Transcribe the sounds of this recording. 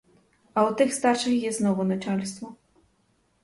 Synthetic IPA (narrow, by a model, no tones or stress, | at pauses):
aut̪ɨxst̪arʂɨxjɛst̪nɔvɔnat͡ʂalʲst̪fɔ